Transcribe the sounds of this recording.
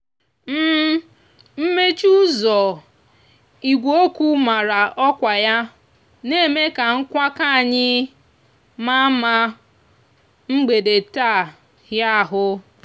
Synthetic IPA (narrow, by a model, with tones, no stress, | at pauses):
m̩˦ | m̩˦me˦t͡ʃu˦zɔ˨ | i˨ɡʷo˦kʷu˦ma˨ɾa˨ʔɔ˦kʷa˨ja˦ | ne˦me˦ka˨ŋ̩˦kʷa˦ka˦˨ɲɪ˦ | ma˦ma˦ | ŋ͡m̩˦ɡ͡be˨de˨ta˦˨ | hja˦˨ɦʊ˦